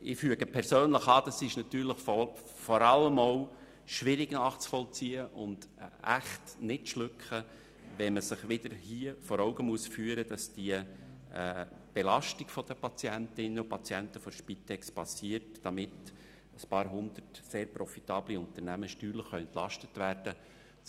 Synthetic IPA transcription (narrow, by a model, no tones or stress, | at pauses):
ʔɪfyəɡəpʰɛɾsøːnləχɑːd̥ɑsɪʃnɑt̪yːɾləχf | fɔɾɑləmow | ʃʋɪɾɪɡnɑːχt͡sfɔlt͡siːəʔʊnd̥æ̰χtnɪtʃlʏkχə | ʋɛnməsɪχʋɪd̥̪əɾhiːəfɔɾɔʊɡəmuəsfyːəɾəd̥ɑsd̥iəɛː | b̥elɑʃtɪɡ̥fɔd̥əpɑt͡sjæntɪnːəʊpɑt͡sjɛntəfɔɾʃpitɛkspɑsiːəɾtd̥ɑmɪt | əspɑːɾɦʊnd̪̥ərtseːɾpɾɔfit̪ɑːbliʊnt̪əɾnæməʃtyːɾləχːœʏɛnt̪lɑʃtətvæɾd̥ə